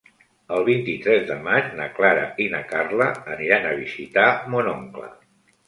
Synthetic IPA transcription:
əlˠβ̞int̪it̪ɾɛzðəmat͡ʃnəklaɾəinəkarləːniɾanəβ̞izit̪amonɔŋklə̰

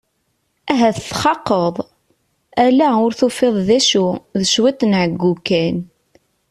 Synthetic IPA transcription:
æɦæθəθχɑqːəðˤ | ælæʊɾθufeðˤðæʃuðəʃwit̪ˤnʕəɡːukːæn

